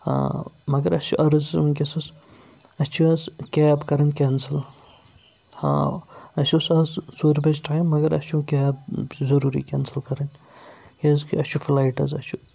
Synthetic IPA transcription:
hã̰ːmɐɡɐɾɐsuʔɐɾɐzmkʲesɐs | ɐst͡ʃʰuɐskʲeːbkɐɾɐnʲkʲɛnsɐl | hã̰ːɐsʲusɐssuːɾbɐd͡ʒʈʰaɐnmɐɡɐɾɐ̰st͡ʃʰũkʲɛːbzɐɾuːɾḭkʲɛːnsɐlkɐɾɐnʲ | kezkiɐst͡ʃʰufʰlaːjʈɐ̰zɐ̰t͡ʃʰu

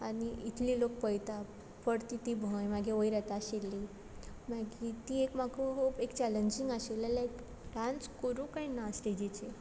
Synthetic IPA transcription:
añiit̪ʰliːlok̚pəjt̪a | pəɽt̪it̪ibʱojmaɡʱeojɾɛt̪aːɕelːi | maɡit̪iekmaɡuɦoːbekt͡ɕɛləɲd͡ʑiŋɡaɕelalaek | ʈɾãnskoɾukainasʈed͡ʑit͡ɕe

